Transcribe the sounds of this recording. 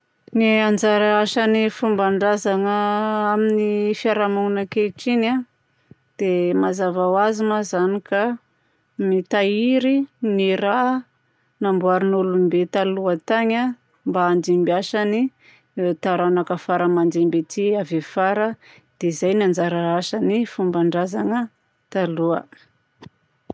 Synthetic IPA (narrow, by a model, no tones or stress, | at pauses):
niand͡zaɾaaʃanifumbaɳɖ͡ʐazaŋəaminifiaɾamuŋunakeʈ͡ʂina | d̪̥emazavawazimazanika | mit̪aiɾiniɾa | nambuaɾinulumbet̪aluət̪aɲa | mbaːnd̪imbiaʃani | t̪aɾanakəfaɾəmand̪imbet̪iavefaɾə | d̪̥ezajniand͡zaɾaɾaʃanifumbaɳɖ͡ʐazaŋə | t̪aluə̰